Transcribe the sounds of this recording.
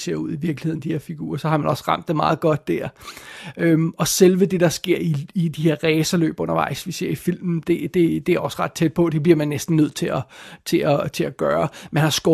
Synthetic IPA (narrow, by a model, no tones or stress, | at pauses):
se̝̰ɐ̰uð̰ˠiʋiɐɡ̥lie̝ð̰ˠn̩d̥ihe̝ɐfiɡ̥ṵːɐsɒ̽hɑ̈mænɒ̽sʁɑ̈m̰d̥ːemɑ̈ːð̞̩ˠɡ̥ɒ̽d̥̚ːæɐ̰ | ømɒ̽selʋəd̥e̝d̥ɑ̈sɡ̥e̝ɐ̰iːd̥ihe̝ɐ̰ʁɛːsɐlø̰ːb̥ɔ̽nɐʋɑ̈ɪ̰sʋise̝ɐ̰ifil̰mn̩d̥e̝d̥e̝d̥e̝æɐɒ̽sʁɑ̈d̥̚t͡sʰed̥̚pʰɒ̽d̥e̝bliɐ̰mænːesd̥n̩nøð̞̰ˠt͡sʰe̝læt͡sʰe̝æt͡sʰe̝læɡ̥ɶːɐmænhɑ̈sɡ̥ɒ